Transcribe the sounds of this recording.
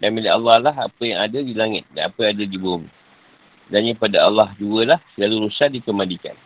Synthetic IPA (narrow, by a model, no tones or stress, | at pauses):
danmilialːɑhlaɦapəjaŋadədilaŋɪt̪̚danapəjaŋadadibumḭ | danɲãpadaalːahduəlahsəlaluɾusaʔ̚dikəmandika̰n